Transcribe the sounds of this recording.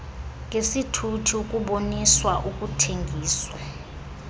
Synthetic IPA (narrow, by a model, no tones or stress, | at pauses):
ŋʱesitʰutʰiukʼuɓoniswaʔukʼutʰeŋɡʱiːswa